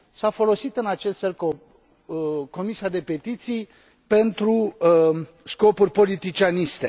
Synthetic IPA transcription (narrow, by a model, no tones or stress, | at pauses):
safo̞lo̞sit̪ɨnat͡ʃe̞st̪fe̞lko | ko̞misiad̪e̞pe̞t̪it̪sij | pe̞nt̪ɾu | sko̞purʲpo̞lit̪it͡ʃianist̪e̞